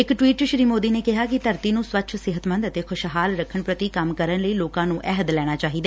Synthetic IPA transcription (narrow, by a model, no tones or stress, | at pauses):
ɪkʈwiːʈʃɾiːmoːd̪iːneːkɪɦaːkɪt̪əɾt̪iːnũːsʋətːʃʰsɪɦət̪mə̃nd̪ət̪eːkʰʊʃɦaːlɾəkʰəɳpɾət̪iːkəmkəɾənləiːloːkãːnũːʔɛɦəd̪lɛːɽ̃aːt͡ʃaːɦiːd̪aː